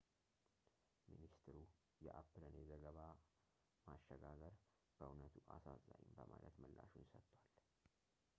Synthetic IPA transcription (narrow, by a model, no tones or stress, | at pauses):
minist̪ʰɨɾu | jɛʔapːɨlənjɛzəɡəβa | maʃːəɡaɡəɾ | b̥əʔunət̪ʰuʔasazajimbəmalət̪mɨlːaʃunsət̪ʼːwal